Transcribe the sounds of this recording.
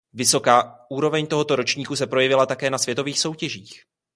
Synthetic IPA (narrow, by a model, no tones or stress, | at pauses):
vɪso̞kaːʔuːɾo̞vɛɲt̪o̞ɦo̞t̪o̞ɾo̞t͡ʃɲiːkus̬ɛpɾo̞jɛvɪlat̪akɛːnasvjɛt̪o̞viːxso̞wcɛʒiːx